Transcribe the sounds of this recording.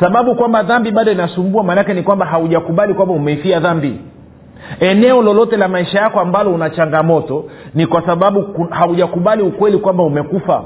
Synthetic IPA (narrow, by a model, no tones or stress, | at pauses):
saɓaɓukwambaðambiɓaɗɔinasumbuamaːnakɛnikwambaɦauʄakuɓalikwambaumɛifiaðambi | ɛnɛɔlɔlɔtɛlamaiʃajakɔambalɔunat͡ʃaŋɡamɔtɔnikwasaɓaɓukuhauʄakuɓaliukwɛlikwambaumɛkufa̰